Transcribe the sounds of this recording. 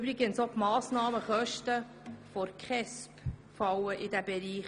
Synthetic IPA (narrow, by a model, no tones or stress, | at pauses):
bɾɪɡənsopmɑːsnɑːməχœʃtə | fɔɾkχɛspfɑwəʔɪdæbɛɾiːχ